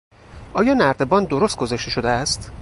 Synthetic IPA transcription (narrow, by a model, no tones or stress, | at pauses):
ʔɒːjɒːnæɾd̪e̞bɒːnd̪d̪oɾost̪̚ɡo̞zæʃt̪e̞ʃo̞d̪eæst̪